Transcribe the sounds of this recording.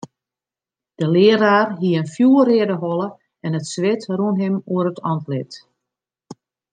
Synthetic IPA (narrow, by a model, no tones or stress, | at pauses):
d̥əlɪəɾaːrɦiəənfjuərɪədəɦɔlˠə | ɛnətsʋɪtrunɦɪmuəɾətʰɔntlɪt